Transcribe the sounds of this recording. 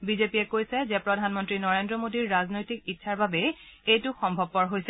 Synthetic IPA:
bizepiɛkojsɛzɛpɹɔdʱanmɔntɹinɔɹendɹɔmodiɹːaznojtikitːʃʰaɹbabɛejtʊxɔmbʱɔb̚pɔɹɦojsɛ

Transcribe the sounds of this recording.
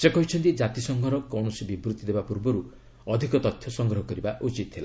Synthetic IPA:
sekɔɦit͡ʃʰɔnt̪id͡ʒat̪isɔŋɡʱɔɾɔkɔwɳɔsibibɾut̪id̪ebapuɾbɔɾu | ɔd̪ʱikɔt̪ɔt̪ʰjɔsɔŋɡɾɔɦɔkɔɾibaʔut͡ʃit̪ɦʰela

